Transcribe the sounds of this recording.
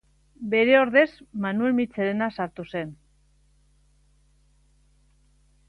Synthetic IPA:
be̞ɾe̞o̞ɾðe̞zmanue̞lmit͡seɾenasaɾt̪use̞n

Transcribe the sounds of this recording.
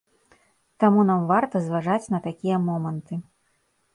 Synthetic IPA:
t̪amunamvart̪ɐzvaʐat͡sʲnɐt̪akʲijɐmɔmɐnt̪ɨ

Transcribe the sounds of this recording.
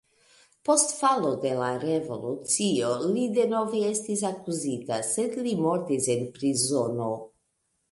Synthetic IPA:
post̪falod̪elarevo̞lut̪t͡siolid̪enoviest̪is̬akuzit̪aset̪limoɾt̪isenpɾizono

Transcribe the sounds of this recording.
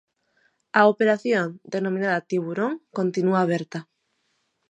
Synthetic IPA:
aopeɾaθjond̪enomĩnaðat̪iβuɾõŋkont̪inuaːβ̞eɾt̪a

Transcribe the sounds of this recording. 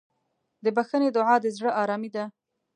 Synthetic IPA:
d̪əbaxəned̪ʊʕɑd̪əzɽəʔɑɾɑmid̪a

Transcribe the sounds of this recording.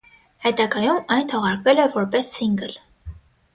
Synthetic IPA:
hɛt̪ɑɡɑjumɑjnt̪ʰɔʁɑɾkvɛlɛvɔɾpɛsːiŋɡəl

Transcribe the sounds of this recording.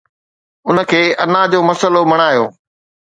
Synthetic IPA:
ʊnə̆kʰeːɐnãːd͡ʑoːmɐsəlomɐɽ̃aːjoː

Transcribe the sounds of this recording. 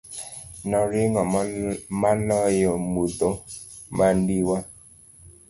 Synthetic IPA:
nɔɾɪŋɔmalɔjɔmud̪o | mandiwa

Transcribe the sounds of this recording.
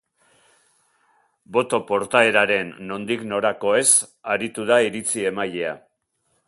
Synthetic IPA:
bo̞t̪o̞po̞ɾt̪ae̞ɾaɾe̞nːo̞nd̪ikno̞ɾako̞e̞saɾit̪uðaiɾit͡sie̞maʎe̞a̰

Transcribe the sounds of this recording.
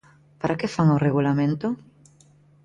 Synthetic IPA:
paɾakefaŋoreɣulamẽnt̪ʊ

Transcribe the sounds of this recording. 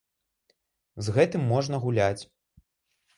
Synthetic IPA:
zɣɛt̪ɨmːɔʐnɐɣulʲat͡sʲ

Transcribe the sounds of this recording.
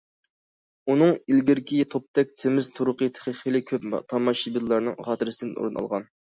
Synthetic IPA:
unɨŋilɡʲiɾkʲʰit̪ʰop̚t̪ɛk̚ʲt̪ʰemɪzt̪ʰuɾʊqət̪ʰe̥χiχilɪkʲʰøpt̪ʰɑmɑʃibid̪ɨlˠɑɾnɨŋχɑːt̪ɨɾɨsɨd̪ɨnṵɾɨnɑ̰lˠʁɑ̰n

